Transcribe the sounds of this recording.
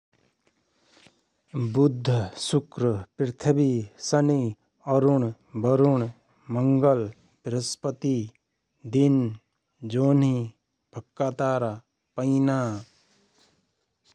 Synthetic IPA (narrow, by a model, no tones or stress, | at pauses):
bʊd̪ʱːəsʊkɾəpɾɪt̪ʰəbisɐni | ɔɾuɳ | bɐɾuɳ | məŋɡəl | pɾəspət̪i | d̪in | d͡ʒoːni | b̥ʱɐkːaːt̪aːɾa | pəinaː